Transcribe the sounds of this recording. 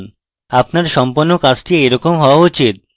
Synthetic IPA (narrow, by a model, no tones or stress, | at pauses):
n | apnaɾʃɔmponːokat͡ɕʈiejɾɔkomɦɔoaut͡ɕit̪̚